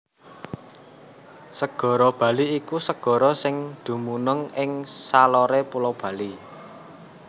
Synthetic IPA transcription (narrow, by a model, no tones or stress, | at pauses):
səɡ̥ɔ̤ɾɔb̥ä̤liikusəɡ̥ɔ̤ɾɔsɪŋd̪̥ṳmunəŋɪŋsalɔɾepulɔb̥ä̤li